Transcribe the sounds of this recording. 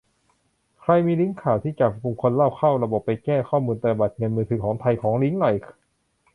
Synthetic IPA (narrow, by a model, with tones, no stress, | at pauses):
kʰɾa˧jmiː˧li˦˥ŋkʰaː˨˩wt̪ʰiː˥˩t͡ɕa˨˩p̚ku˨˧˩ŋkʰo˧nla˥˩wkʰa˥˩wɾa˧bo˨˩pːa˧jkɛː˥˩kʰɔː˥˩muː˧nt̪a˧˩ba˨˩t̪̚ŋɤ˧nmɯː˧t̪ʰɯː˨˩˦kʰɔː˩˦ŋt̪ʰa˧jkʰɔː˩˦ŋli˦˥ŋnɔ˨˩j